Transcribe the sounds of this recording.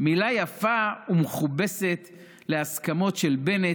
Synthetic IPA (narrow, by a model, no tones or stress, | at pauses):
milajafaumeχube̞set̪ | leaskamo̞tʃe̞lbe̞ne